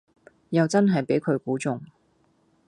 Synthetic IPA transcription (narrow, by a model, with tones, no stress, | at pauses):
jɐ˨wt͡sɐ˥nɦɐ˨jpe˨˥jkʰɵ˨˧ɥkuː˨˥t͡sʊ˨ŋ